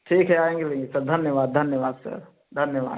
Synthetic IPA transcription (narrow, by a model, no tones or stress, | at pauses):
ʈʰiːkɦɛaːẽːŋɡelẽŋɡesɐɾd̪ʱɐnjəʋaːd̪̚d̪ʱɐnjəʋaːd̪sɐ̰ɾ | d̪ʱɐnjəʋa̰ːd̪